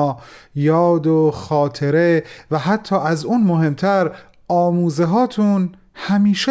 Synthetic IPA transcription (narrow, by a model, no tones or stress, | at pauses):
jɒːd̪oxɒːt̪ʰe̞ɾevæɦæt̪ʰːɒːʔæzuːnmoɦe̞mt̪ʰæɾ | ɒːmuːzeɦɒːt̪ʰun | hæmiːʃe